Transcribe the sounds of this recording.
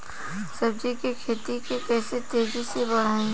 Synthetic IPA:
sɐbd͡ʒikekʰeːt̪ikekɛːset̪eːd͡ʒisebɐɽ̤aːẽ

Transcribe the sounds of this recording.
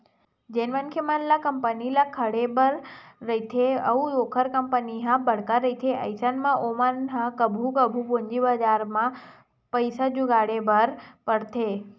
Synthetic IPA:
d͡ʒenʋənkʰemanlakəmpənilakʰəɽebəɾːəɦit̪ʰeə̰ũjokʰəɾkəmpəniɦãbəɽ̤kaɾəit̪ʰeʔə̰jsanmãʔomanɦãkəbʱukəbʱuboɲd͡ʒibad͡ʒaɾmã | pəjsad͡ʒuɡaɽebəɾpəɽt̪ʰe

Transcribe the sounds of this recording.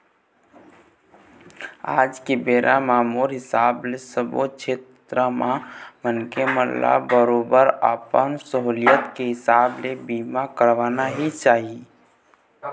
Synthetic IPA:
a̰ːd͡ʒkebeːɾʔamaːmuːɾɦɪsaːblesəbo̰t͡ʃʰet̪ | ɾəmãmənkeməlla̰bəɾoːbəɾə̰pənsəɦulijət̪keɦɪsaːblebimakəɾʋaːnaɦit͡ʃaːɦi

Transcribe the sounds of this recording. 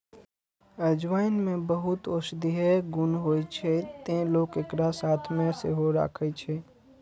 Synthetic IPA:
əd͡ʒʋaːɪnmẽbəɦʊt̪oʃd̪iɦɛɡʊnɦoːt͡ʃʰet̪ẽloːkekɾasaːt̪ʰmẽsḛɦoɾa̰ːkʰət͡ʃʰe

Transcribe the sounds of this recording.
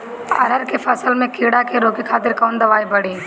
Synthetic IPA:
ɐ̰ɾəɾkefʰɐsəlmẽkʰeːɽakeɾoːkikʰaːt̪ɪɾkɔːnd̪ɐʋaːibɐɽiː

